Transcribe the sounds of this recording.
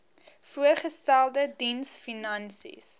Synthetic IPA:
fuərχəstælˠdədinsfinɐnsḭs

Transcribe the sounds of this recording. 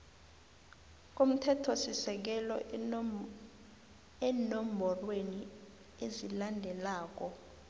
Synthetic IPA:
k̬ʼum̩tʰɛtʰɔsisɛk̬ɛlɔ | ɛnombʱɔlweni | ezilandʱɛlaːk̬ɔ

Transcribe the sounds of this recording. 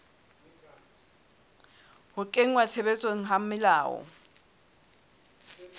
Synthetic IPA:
hʊkʼeŋwat͡sʰɛɓɛt͡sʼweŋ̩ɦamɪlaːwɔ̰

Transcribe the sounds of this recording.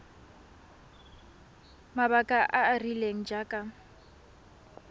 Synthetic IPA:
mabakʼaʔaːrileŋ̩d͡ʒakʼa

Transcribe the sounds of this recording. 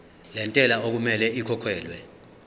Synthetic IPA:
lɛntʼɛlaok̬umɛlɛikʰɔkʰwɛːlwɛ

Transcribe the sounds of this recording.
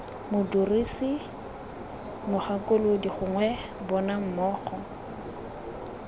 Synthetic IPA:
mʊdurisi | mʊχakʼʊlodiχʊŋwɛ | bɔnam̩mɔːχɔ

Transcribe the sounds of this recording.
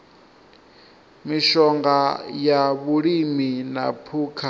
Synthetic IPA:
miʃɔŋɡajaβuɺimina̰pʰuːkʰa

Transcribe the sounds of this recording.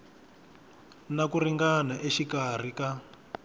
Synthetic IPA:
nakuriŋɡanaʔeʃikar̤ika

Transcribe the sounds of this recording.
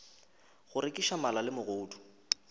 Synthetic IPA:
ɣʊɾɪkʼɪʃamalalɪmʊɣʊːtʰʊ̥

